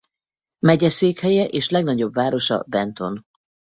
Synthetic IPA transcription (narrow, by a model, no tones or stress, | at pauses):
mɛɟɛseːkhɛjɛʔeːʃlɛɡnɒɟo̞bvaːɾo̞ʃɒ̰bɛnt̪o̞n